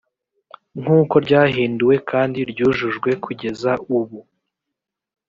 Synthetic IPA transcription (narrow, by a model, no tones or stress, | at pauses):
ŋ̥uːko̞ɾɟaːɦiːnduwe̞kʰaːndiɾɟuːʒuʒɡwe̞kʰuɟe̞zauβu